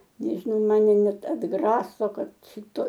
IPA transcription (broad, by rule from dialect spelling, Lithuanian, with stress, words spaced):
ˈnʲæːʒʲɪnɐʊ ˈmɑːnʲɛ ˈnʲɛt ɐdˈɡrɑːsoː ˈkɐt ˈʃʲɪtoː